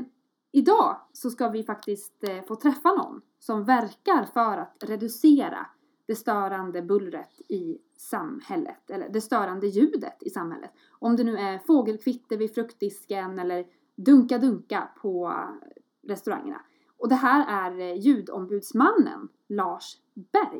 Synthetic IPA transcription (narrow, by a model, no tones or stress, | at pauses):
ɪd̪ɑːsɔskavɪfakt̪ɪst̪foːt̪ʰɾɛfːanɔ̰nː | sɔmvæɾkaɾfœɾat̪ɾɛd̪ɵseːɾa̰ | d̪̥ɛst̪œːɾand̪əbɵlɾət̪ɪ | samhɛlːə̰t̪ɛlːə̰ɖɛst̪œːɾand̪əjʉ̟ːd̪ə̰t̪ɪsamhɛ̰lːə̰t̪ | ɔmd̪ɛnʉ̟ːæɾfoːɡəlkʰvɪt̪ːəvɪd̪fɾɵkt̪ɪskənɛlːəɾ | d̪ɵŋkad̪ɵŋkapʰɔ | ɾɛst̪ɵɾa̰ŋːə̰na̰ | ɔd̪ɛɦæːɾæɾjʉ̟ːd̪ɔ̰mbʉ̟ːd̪smanːə̰n | lɑːʂ | b̥æɾj